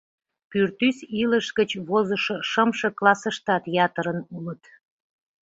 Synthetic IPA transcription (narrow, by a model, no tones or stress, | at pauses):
pyrt̪ysiləʃɡət͡ɕβozəʃoʃəmʃɤklɑsəʃt̪ɑt̪jɑt̪əɾənulət̪